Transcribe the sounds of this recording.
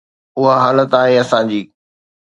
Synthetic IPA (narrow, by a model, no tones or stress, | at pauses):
ʊɦaɦaːlət̪aːɦeɐsãd͡ʑiː